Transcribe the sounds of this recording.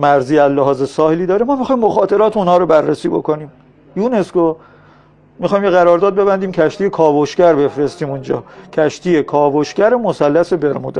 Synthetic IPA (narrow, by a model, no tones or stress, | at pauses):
mæɾziːæzleɦɒːzesɒːheliːd̪ɒːɾemɒːmixɒːjmːoxɒːt̪ʰe̞ɾɒːt̪ʰunhɒːɾobærːesiːbo̞̰ko̞niːm | junesko | mixɒːjmjeɣæɾɒːɾd̪ɒːd̪̚be̞bænd̪iːmcʰæʃt̪ije̞kʰɒːvoʃkæɾbe̞fɾe̞st̪iːmund͡ʒɒ̰ːcʰæʃt̪ʰiːjekʰɒːvoʃcæɾemosælːæse̞be̞ɾmṵd̪e